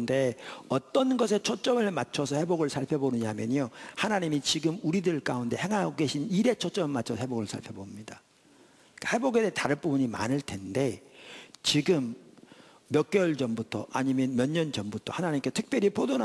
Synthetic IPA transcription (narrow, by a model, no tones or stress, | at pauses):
nde̞ʌt͈ʌnɡʌs̬ʰe̞t͡ɕʰot͡ɕ͈ʌmɯɭmat͡ɕʰʌsʰʌhe̞boɡɯɭsʰaɭpʰjebonɯɲamjʌɲohanaɲimit͡ɕiɡɯmuɾidɯɭk͈aunde̞he̞ŋɦaɡoɡe̞ɕʰiniɾe̞t͡ɕʰot͡ɕ͈ʌmɯɭmat͡ɕʰʌsʰʌheboɡɯɭsʰa̰ɭpʰjebomɲida | k͈aheboɡedetaɾɯp͈ubuɲima̰nɯɭte̞nde̞ | t͡ɕiɡɯmː | jʌk͈jʌɭd͡ʑʌmbutʰʌʔaɲimjʌnmjʌɲːʌnd͡ʑʌmbutʰʌhanaɲimketʰɯk̚p͈jʌɾipʰodona